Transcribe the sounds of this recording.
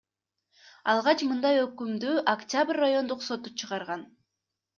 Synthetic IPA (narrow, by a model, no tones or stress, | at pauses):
ɑlˠʁɑt͡ʃmɯnd̪ɑjøkymd̪yːʔaktʲabrʲːajo̞nd̪uqso̞t̪ut͡ʃʰɯʁɑɾʁɑn